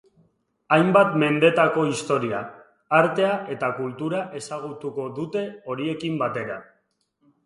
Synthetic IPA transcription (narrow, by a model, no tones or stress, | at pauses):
ajmbat̪me̞nd̪e̞t̪ako̞ist̪o̞ɾia̰ː | ɾt̪e̞aʔe̞t̪akult̪uɾaʔe̞saɣ̞ut̪uko̞ðut̪e̞o̞ɾie̞kimbat̪e̞ɾa